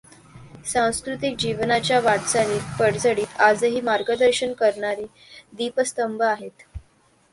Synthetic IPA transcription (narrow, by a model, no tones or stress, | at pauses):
sãw̃skɾut̪ik̚d͡ʑiʋnat͡ɕjaʋaɽt͡saniːt̪pəɽd͡zəɽiːt̪ad͡zɦiːmaɾɡəd̪əɾɕənkəɾɳaɾi | d̪ipəst̪əmbəaɦet̪